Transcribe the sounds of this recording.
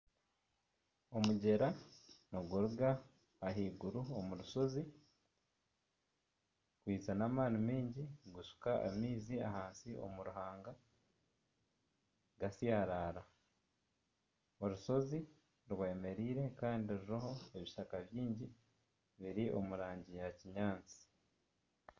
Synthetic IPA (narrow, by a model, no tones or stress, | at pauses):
o̞muɟe̞ɾanoɡuɾuɡaː | ɦiːɡuɾuomuɾuso̞zi | kwiːzanaːmaːnimiːɲɟiɡusu̥kaa̰miːziaɦaːnsiʔo̞̰muɾuɦaːŋɡa | ɡasjaɾaːɾa | oɾuso̞zi | ɾweːme̞ɾiːɾe̞kaːndiɾuɾaho̞e̞βiʃakaβjiːɲɟi | βiɾiʔo̞̰muɾaːɲɟijaciɲaːnt͡si̥